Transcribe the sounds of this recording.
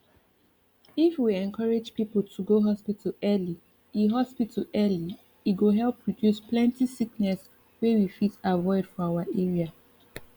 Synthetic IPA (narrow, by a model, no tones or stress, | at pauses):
ifwiɛ̃nkʰaɹed͡ʒpipəltʰuɡoɦɔspitʰəlɛli | iɦɔspitʰəʔɛli | iɡoɦɛlˠpʰːɹɔdjusplɛ̃ntisiknɛs | wewifitavɔɪd̥fɔawaʔɛɹia